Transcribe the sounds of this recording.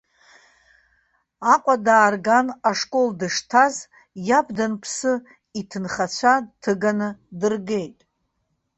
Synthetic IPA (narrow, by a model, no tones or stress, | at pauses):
aqʷʼadaːrɡanaʂkʼo̞ldɨʂtʰaz | jabdanpʰsɨ | itʰɨnχat͡ɕʷʰatʰɨɡanɨdɨrɡe̞jtʼ